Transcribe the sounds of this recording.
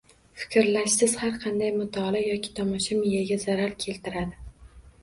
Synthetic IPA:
fɪ̥kʲɾlaʃsɪz̥haɾqʰɑnd̪ajmʊt̪ʰɒlajɒkʲʰɪ̥t̪ʰɒmɒʃamɪjaɡʲazaɾaɾkʲʰe̞lt̪ʰɪɾad̪ɪ

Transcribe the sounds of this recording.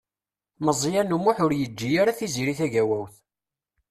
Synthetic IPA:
məzˤjænumuħʊɾjəd͡ʒːijaɾaθiziɾiθæʝæwæwθ

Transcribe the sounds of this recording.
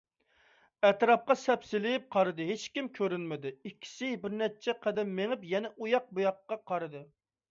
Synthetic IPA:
ɛt̪ɾɑp̚qɑsɛpsɪlɪp̚qʰɑɾɨd̪ɨɦet͡ʃkʲimkʲʰøɾynmɪd̪ɪikʲʰːi̥sɪbɪɾnɛt͡ʃʰɛqʰɛd̪ɛmːeŋɪpjɛnɛʔujɑq̚bujɑqːɑqʰɑɾɨd̪ɨ

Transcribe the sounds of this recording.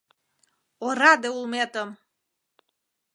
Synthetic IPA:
oɾɑd̪eulmet̪əm

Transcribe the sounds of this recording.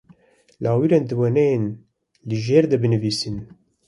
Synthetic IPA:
laːwiɾend̪ɨwɛnɛjen | lɨʒeːɾd̪ɛbɨnɨviːsin

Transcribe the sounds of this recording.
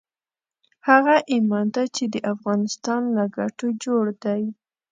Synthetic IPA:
haɣaʔimɑnt̪at͡ʃed̪əʔafɣɑnɪst̪ɑnlaɡaʈod͡ʒoɽd̪aj

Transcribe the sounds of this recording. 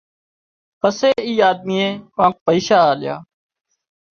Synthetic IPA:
pəseːiːaːd̪̚miːẽːpãːk̚pəiːʃaːaːlɪja̰ː

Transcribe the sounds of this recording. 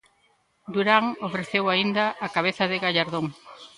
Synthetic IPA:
d̪uɾaŋofɾeθewaind̪ɐʔːkaβ̞eθɐðɪɣaʎaɾðoŋ

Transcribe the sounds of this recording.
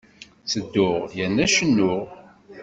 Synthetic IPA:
səd̪ːʊʁjænːæʃənːʊʁ

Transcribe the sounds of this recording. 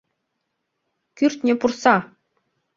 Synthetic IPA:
kʲyrʲt̪ʲnʲĕpursɑ

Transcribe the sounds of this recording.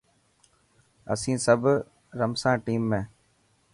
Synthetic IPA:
ə̰sĩːsəbʱ | ɾəmsãːʈiːmːẽː

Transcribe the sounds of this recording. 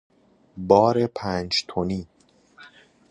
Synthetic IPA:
bɒːɾepʰæːnd͡ʒt̪ʰoniː

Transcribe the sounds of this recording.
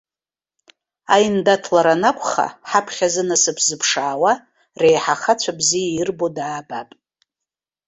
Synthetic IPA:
ajndatʰlaɾanakʷʰʼχa̰ħapʰχʲazɨnasɨpʰzɨpʰʂaːwa | rejħaχat͡ɕʷʰabzijairbo̞daːbapʼ

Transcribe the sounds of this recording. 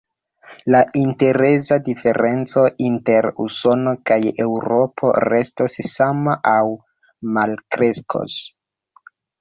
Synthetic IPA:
laʔinte̞ɾezadife̞ɾe̞nt͡so̞ʔinte̞ɾṵso̞no̞kaje̞wɾo̞pʰo̰ɾe̞stosːamaʔaw | malkɾe̞skʰo̰s

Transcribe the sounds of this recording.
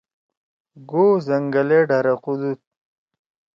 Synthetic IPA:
ɡozɐŋɡaleɖaɾaqud̪ut̪̚

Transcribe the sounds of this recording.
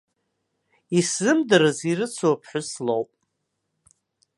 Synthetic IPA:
isɨmdɨɾɨzirɨt͡sʰuapʰħʊslowpʼ

